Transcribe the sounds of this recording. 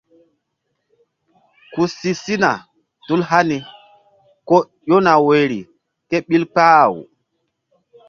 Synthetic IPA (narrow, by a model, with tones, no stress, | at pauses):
ku˨si˨si˦na˨ | tu˦lɦa˦ni˨ | ko˦ | jo˦na˨we˨ɾḭ˨ | ke˦ɓi˦lk͡paː˦˨w